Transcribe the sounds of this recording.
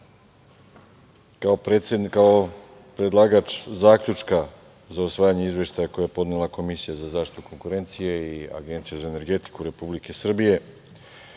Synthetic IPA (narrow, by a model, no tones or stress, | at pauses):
kaekao | pɾed̪lˠaːɡaːt͡ʃzaːkʎut͡ʃka | zausʋaːjaɲe̞izʋe̞ʃt̪ajako̞jajepo̞d̪ne̞lako̞misijazazaːʃt̪it̪u̥ko̞ŋkuɾe̞nt̪sije̞ia̰ɡe̞nt̪sijazaene̞ɾɡe̞t̪i̥kuɾe̞publike̞sr̩bije̞